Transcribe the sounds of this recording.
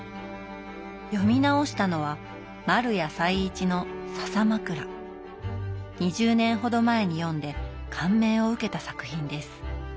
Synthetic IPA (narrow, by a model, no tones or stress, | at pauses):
jo̞mʲinao̞ɕi̥t̪ano̞β̞a | maɾɯ̟jasaiːt͡ɕino̞sasamakɯ̟ɾa | ɲ̟iʑɨːnẽ̞ɰ̃ɦo̞d̪o̞mae̞ɲ̟ijõ̞nd̪e̞kʰãmːẽ̞ːo̞ɯ̟ke̞t̪asakɯ̟çĩnd̪e̞sɨ̥